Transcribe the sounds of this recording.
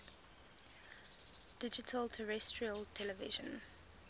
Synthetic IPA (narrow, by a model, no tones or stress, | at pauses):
d̥ɪd͡ʒɪtʰəltʰəɹɛstɹiəltʰɛləvɪ̰ʒə̃n